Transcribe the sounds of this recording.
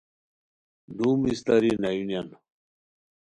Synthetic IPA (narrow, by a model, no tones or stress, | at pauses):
dumist̪ɐɾinɐjunjan